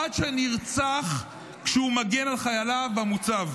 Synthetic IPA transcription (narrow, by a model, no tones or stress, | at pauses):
adʃeniʁt͡saχ | kʃeumaɡe̞nalχajalavamut͡sav